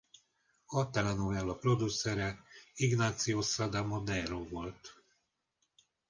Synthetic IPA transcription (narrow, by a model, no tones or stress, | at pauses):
ɒt̪ɛlɛnovɛlːɒpro̞d̪usɛɾɛiɡnaːt̪sijosɒd̪amod̪ɛɾoːvo̞lt̪